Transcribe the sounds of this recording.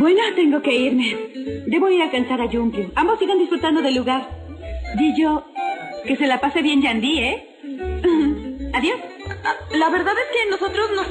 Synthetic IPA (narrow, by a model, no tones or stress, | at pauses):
bwe̞no̞t̪e̞ŋɡo̞ke̞iɾme̞d̪e̞βo̞iɾalkansaɾaʝumbjuambo̞sːiɣand̪isfɾut̪and̪o̞ðe̞lːuɣaɾd̪iʝo̞ke̞se̞lapase̞βje̞nd͡ʒand̪ie | aðjo̞s | laβe̞ɾðaðe̞ske̞no̞so̞t̪ɾo̞znos